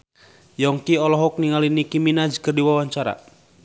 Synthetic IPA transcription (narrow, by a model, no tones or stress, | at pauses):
jɔŋkiɔlɔɦɔk̚niŋalinikiminad͡ʒkərdiwawaɲt͡ʃaɾa̰